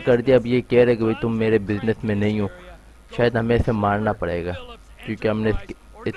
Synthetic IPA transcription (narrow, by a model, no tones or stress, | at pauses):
kɐɾd̪iaɐbjekɛɾɛɦɛkibʱɐit̪ʊmːeːɾebɪznəsmẽnɐɦĩɦõː | ʃaːjəd̪ɦɐmẽsemaːɾnapɐɽḛːɡaː | kjõːkeɦɐmneɪsk | ɪt̪